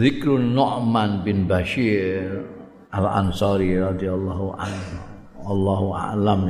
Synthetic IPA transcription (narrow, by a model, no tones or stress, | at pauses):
ðɪkɾunɔʔmanbɪnbaʃiɾɾ | ʔalʔa̰nsɑɾirɑd̪ialːɑɦuʔa̰n | walːaɦua̰lam